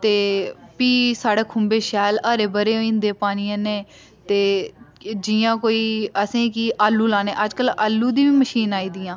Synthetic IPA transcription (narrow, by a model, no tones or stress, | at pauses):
t̪eːpiːsaːɽeːkʰʊmbeːʃɛːlaːɾeːbəɾeːoĩnd̪eːpaːniãːneː | t̪eː | d͡ʒɪjãːkoːiːəsẽːkiːʔaːlːuːlaːnḛ̃ːʔəd͡ʒkəlaːlːuːd̪ĩːʋiːməʃiːnaːiːd̪ɪːãː